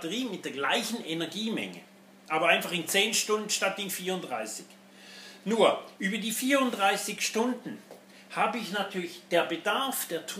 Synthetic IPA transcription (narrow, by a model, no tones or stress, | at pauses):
təʁiːmɪt̚d̥eːɐɡlaɪçn̩enɛɐɡiːmɛ̰ŋə̰ | ʔaːbɐʔaɪnfaχɪnt͡seːnʃtʊndn̩ʃtatɪnfiːɐʊntdʁa̰ɪsɪç | nuːɐʔyːbɐdiːfiːʁʊndʁaɪsɪçʃtʊndn̩ | haːbəɪçnatʰyːɐlɪçd̥eːɐbədaɐfd̥eːɐtʰ